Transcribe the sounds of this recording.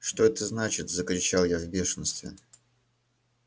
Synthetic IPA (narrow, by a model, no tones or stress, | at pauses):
ʂt̪o̞ɛt̪əznat͡ɕɪt̪zəkɾʲɪt͡ɕalˠjavbʲe̞ʂənst̪vʲɪ̰